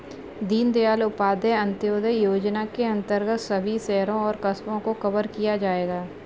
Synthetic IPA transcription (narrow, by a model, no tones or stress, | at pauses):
d̪iːnd̪ejaːlʊpaːd̪eɐ̃nt̪joːd̪əjoːd͡ʒnakeɐ̃nt̪əɾɡət̪sɐbʱisɛːɾõɔːɾkɐspõkokɐbəɾkijad͡ʒaːeːɡaː